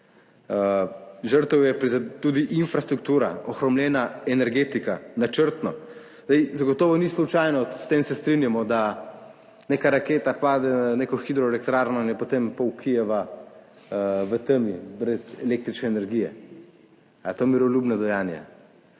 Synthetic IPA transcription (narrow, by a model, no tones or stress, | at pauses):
əʒəɾt̪əwjɛpɾizat̪ud̪iʔinfɾast̪ɾuk̚t̪uːɾa̰ɔxɾɔmljɛːnaɛnɛɾɡeːt̪ikanat͡ʃəɾt̪nɔ | zd̪ɛjzaɡɔt̪ɔːʋɔnislut͡ʃajnɔst̪eːmsɛst̪ɾinjamɔd̪a | neːkaɾakeːt̪apaːd̪ɛneːkɔxid̪ɾɔelɛkt̪ɾaːɾnɔinjɛpot̪eːmpɔwkʰijɛʋa | ʋət̪əmjibɾɛzɛleːk̚t̪ɾit͡ʃnɛɛnɛɾɡijɛ | at̪oːjmiɾɔlʲjuːbnad̪ɔjanja̰